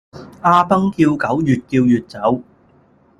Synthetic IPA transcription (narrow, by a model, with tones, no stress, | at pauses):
ʔaː˧pɐ˥ŋkiː˧wkɐ˨˥wjyː˨t̚kiː˧wjyː˨t̚t͡sɐ˨˥w